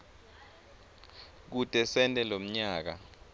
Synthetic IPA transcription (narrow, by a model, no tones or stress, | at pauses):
k̬utʼɛsɛntʼɛlom̩ɲaːk̬a̰